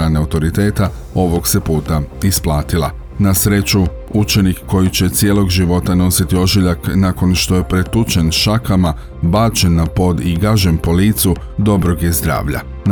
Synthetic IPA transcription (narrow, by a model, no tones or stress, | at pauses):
ɾaːneaut̪o̞ɾit̪e̞ːt̪a | o̞ʋo̞ɡse̞puːt̪aisplˠaːt̪ilˠa̰ | nasɾe̞t͡ɕu | ut͡ʃe̞nikːo̞jit͡ɕe̞t̪sjelˠo̞ɡʒiʋo̞t̪ano̞sit̪io̞ʒiʎaknaːko̞nʃt̪o̞je̞pɾe̞t̪ut͡ʃe̞nʃakama | baːt͡ʃe̞nːapo̞d̪iɡaʒempo̞liːt̪su | d̪o̞bɾo̞ɡje̞zd̪ɾa̰ːʋʎa̰ | n